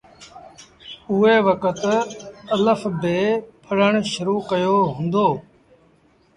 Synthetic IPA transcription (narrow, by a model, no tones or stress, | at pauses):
ʊːeːʋəkət̪ələfbeːpʰəɽəɳʃʊɾuːkəjoːɦʊ̃nd̪oː